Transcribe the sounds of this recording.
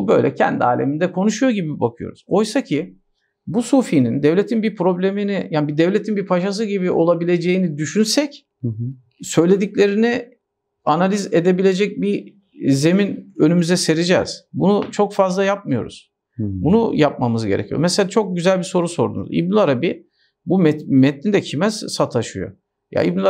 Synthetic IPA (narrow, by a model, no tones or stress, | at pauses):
ubø̞̰jlʲɛ̰cʰæ̰nd̪ia̰ːlʲemind̪ɛkʰo̞nuʃujoɟibibakʰɯjo̰ɾṵz̥o̞jsacʰi | busufinind̪ɛvlʲe̞t̪ʰinbipɾo̞blʲeminijaːnbid̪ɛvlʲe̞t̪ʰinbipʰaʃas̬ɯɟibiʔo̞lˠabilʲe̞d͡ʒejinid̪yʃynsɛc | sø̞jlʲe̞d̪iclʲe̞ɾini | analʲize̞d̪e̞bilʲe̞d͡ʒɛc̚bi | ze̞minø̞nymyzɛse̞ɾid͡ʒɛ̰ːz̥bunut͡ʃʰo̞kfazlˠajap̚mɯjo̞̰ɾṵz̥ | bunujap̚mamɯzɟeɾecʰijo̰mɛselʲat͡ʃʰo̞k̚ɟyzælʲbiso̞ɾuso̞ɾd̪ṵnṵzḭbnilˠaɾabi | bumɛt̪mɛt̪lind̪ɛcʰimɛz̥sat̪ʰaʃɯjo̞̰ | ja̰ḭbnil